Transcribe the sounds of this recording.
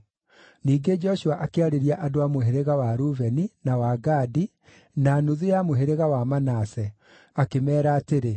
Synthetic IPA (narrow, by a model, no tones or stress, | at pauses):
niːɡed͡ʒɔʃuaʔakeaɾeɾiaʔadoamoɦeɾeɣawaɾuvɛninawaɡadi | naːnoðujamoɦeɾeɣawamanasɛ | akemɛːɾaːteɾe